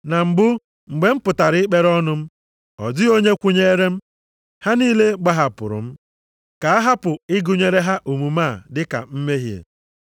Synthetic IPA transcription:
na˨m̩˨ɡ͡bʊ˦ | ŋ͡m̩˨ɡ͡be˦m̩˦pʊ˨ta˨ɾɪ˦ɪ˦k͡pe˦ɾɔ˦nʊ˦m̩˦ | ɔ˨dɪ˦o˦ɲe˦kʷu˦ɲe˦e˦ɾe˦m̩˦ | ha˦niː˦le˦ɡ͡ba˦ɦa˨pʊ̰˨ɾʊ̰˨m̩˦ | ka˨a˦ɦa˦pʊ˨ɪ˦ɡʊ˦ɲe˨ɾe˦ɦa˦ʔu˨mu˨ma˦˨dɪ˦ka̰˨m̩˦me˦ɦjḛ˨

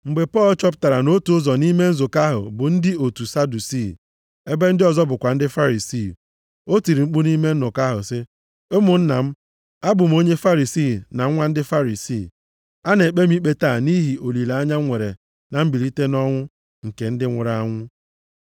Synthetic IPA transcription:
ŋ͡m̩˨ɡ͡be˨pɔ˦˨lt͡ʃɔ˦p̬ʊ̥˦ta˨ɾa˨no˦tu˨ʊ˦zɔ˨ni˦me˦n̩˦zʊ˨ka˦ɦʊ̰˨bʊ˨n̩˦dɪ˦o˨tu˨sa˦du˨si˦˨ | e˦be˦n̩˦dɪ˦ɔ˨zɔ˦bʊ˨kʷa˨n̩˦dɪ˦fa˦ɾi˨si˦˨ | o˦ti˨ɾi˨ŋ͡m̩˦k͡pu˦ni˦me˦n̩˦nʊ˨ka˦ɦʊ̰˨sɪ˦ | o˦mʊ˨n̩˦na˨m̩˦ | a˦bʊ˨m˦o˦ɲe˦fa˦ɾi˨siː˦˨na˨ŋ̩˦ŋʷa˦n̩˦dɪ˦fa˦ɾi˨siː˨ | a˦ne˨k͡pe˦m̩˦i˦k͡pe˦ta˦˨ni˦ɦi˨ʔo˨li˨la˨a˦ɲa˦ŋʷe˨ɾe˨ | na˨m̩˦bi˨ɾi˦te˦nɔ˦ŋʷʊ˦ | ŋ̩˨ke˨n̩˦dɪ˦ŋʷʊ˨ɾa˦˨a˦ŋʷʊ˦

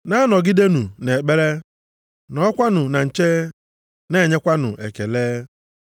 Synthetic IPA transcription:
na˦a˦nɔ˨ɡɪ˦de˦nu˨ne˨k͡pe˦ɾe˦ | nɔ˨˦kʷa˦nʊ˨na˨n̩˨t͡ʃe˦ | ne˦˨ɲe˦kʷa˦nʊ̰˨ʔe˨ke˨leː˦

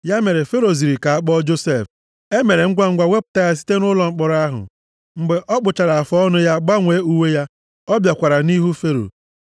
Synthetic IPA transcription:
ja˦me˨ɾe˨fe˦ɾo˨zi˨ɾi˨ka˨a˦k͡pɔ˦d͡ʒo˦se˦˨f | e˦me˨ɾe˨ŋ̩˦ɡʷa˦ŋ̩˦ɡʷa˦we˦pʊ̥˨ta˦ja˦s̬i̥˦te˦nʊ˦lɔ˨ŋ͡m̩˦k͡pɔ˨ɾa˦ɦʊ̰˨ | ŋ͡m̩˨ɡ͡be˨ʔɔ˦k͡pʊ˨t͡ʃa˨ɾa˨a˨fɔ˦ɔ˦nʊ˦ja˦ɡ͡ba˦ŋʷeː˨˦u˦we˦ja˦ | ɔ˦bja˨kʷa˨ɾa˨ni˦ɦu˦fe˦ɾo̰˨

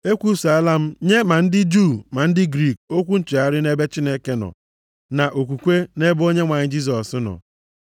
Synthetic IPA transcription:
e˦kʷu˦sa˦la˦m̩˦ɲe˦ma˨n̩˦dɪ˦d͡ʒu˦˨ma˨n̩˦dɪ˦ɡɾi˦˨k̚o˦kʷu˦n̩˦t͡ʃi˨a˦ɾɪ˦ne˦be˦t͡ʃi˦ne˦ke˦nɔ̰˨ | na˨ʔo˨kʷu˨kʷe˦ne˦bo˦ɲe˦ŋʷa˨ɲɪ˦d͡ʒi˦s̬ɔ˨snɔ̰˨

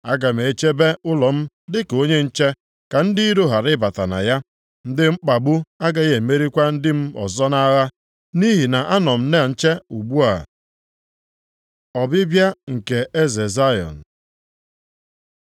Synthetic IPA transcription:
a˦ɡa˨m̩˨e˨˦t͡ʃe˦be˦ʔʊ˦lɔ˨m̩˦ | dɪ˦ko˦ɲe˦n̩˦t͡ʃe˦ | ka˨n̩˦dɪ˦i˦ɾo˦ɦa˨ɾɪ˦ba˨ta̰˨na̰˨ja˦ | n̩˦dɪ˦ŋ͡m̩˦k͡pa˨ɡ͡bu˦a˦ɡa˨ɣe˨me˦ɾi˦kʷa˦n̩˦dɪ˦m̩˦ɔ̰˨zɔ˦na˦ɣa˦ | ni˦ɦi˨na˨ʔa˦nɔ˨m̩˦ne˦˨n̩˦t͡ʃe˦u˨ɡ͡bu˦a˨ | ɔ˨bɪ˦bja˦ŋ̩˨ke˨e˦ze˨za˦jɔ̰˨n̩˨

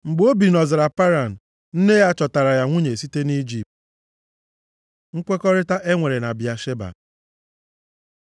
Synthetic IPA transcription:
ŋ͡m̩˨ɡ͡bo˦bi˨nɔ˨zɪ˨ɾa˨pa˦ɾa˨n̩˨ | n̩˦ne˦ja˦t͡ʃɔ˨ta˨ɾa˨ja˨ŋʷu˦ɲe˨si˦te˦ni˦d͡ʒi˨p̚t | ŋ̩˦kʷe˦kɔ˦ɾɪ˦ta˦ʔe˦ŋʷe˨ɾe˨na˨bɪ˨a˨ʃe˦ba̰˨

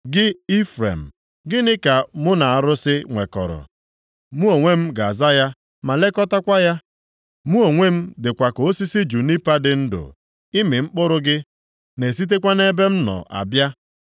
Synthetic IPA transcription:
ɡɪ˦i˦fɾḛ˨m̩˨ | ɡɪ˦nɪ˦ka˨mʊ˦na˨a˨ɾʊ˦sɪ˦ŋʷe˨kɔ̰˨ɾɔ̰˨ | mu˦o˨ŋʷe˦m̩˦ɡa˨a˨za˦ja˦ | ma˨le˦kɔ˦ta˦kʷa˦ja˦ | mu˦o˨ŋʷe˦m̩˦dɪ˨kʷa˨ko˨o˦si˦si˦d͡ʒu˨ni˦pa˦dɪ˨n̩˦dʊ̰˨ | i˦me˨ŋ͡m̩˦k͡pʊ˦ɾʊ˦ɡɪ˦ | ne˨s̬i˦t̬e˦kʷa˦ne˦be˦m̩˦nɔ̰˨ʔa̰˨bja˦

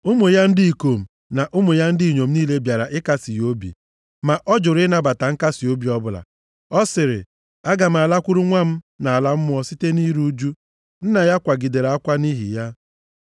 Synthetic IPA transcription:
ʊ˦mʊ˨ja˦n̩˦dɪ˦i˨ko˨m̩˨ | na˨ʔʊ˦mʊ˨ja˦n̩˦dɪ˦i˨ɲo˨m̩˦niː˦le˦bja˨ɾa˨ʔɪ˦ka˦si˨jo˦bḭ˨ | ma˨ʔɔ˦d͡ʒʊ˨ɾɪ˦na˦ba˨ta˨ŋ̩˦ka˦si˨o˦bi˨˦ɔ˦bʊ˨la̰˨ | ɔ˦sɪ˨ɾɪ̰˨ | a˦ɡa˨m̩˨a˨la˦kʷu˦ɾu˦ŋʷa˦m̩˦ | na˨a˨la˦m̩˦m˦ɔ˦si˦te˦ni˦ɾu˦d͡ʒu˦ | n̩˦na˨ja˦kʷa˨ɡi˨de˨ɾa˦kʷa˦ni˦ɦḭ˨ja˦

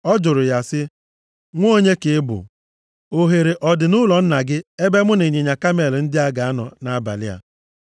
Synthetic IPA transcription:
ɔ˦d͡ʒʊ˨ɾʊ˨ja˦sɪ˦ | ŋʷ˦o˦ɲe˦kɪ˨ɪ˦bʊ̰˨ | o˨ɦe˨ɾe˨ʔɔ˨dɪ˨nʊ˦lɔ˨n̩˦na˨ɡɪ˦e˦be˦mʊ˦ne˨ɲe˨ɲa˨ka˦me˨ln̩˦dɪ˦a˦ɡa˨a˦nɔ̰˨na˦a˦ba̰˨lɪ˦a̰˨

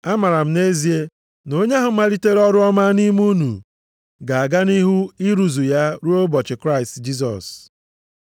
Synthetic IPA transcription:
a˦ma˨ɾa˨m̩˦ne˦zi˨e˦ | no˦ɲe˦ɦʊ˨ma˦ɾi˦te˦ɾɔ˦ɾʊ˦ɔ˦ma˦ni˦mu˦nṵ˨ | ɡa˨a˨ɡa˦ni˦ɦu˦i˦ɾu˨zu˨ja˦ɾu˦o˦bɔ˨t͡ʃɪ˨kɾa˦i˨std͡ʒi˦s̬ɔ̰˨s

